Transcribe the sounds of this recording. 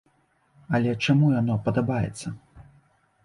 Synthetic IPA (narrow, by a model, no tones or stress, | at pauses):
ɐlʲɛt͡ʂamujanɔpɐd̪abajɛ̰t̪sːɐ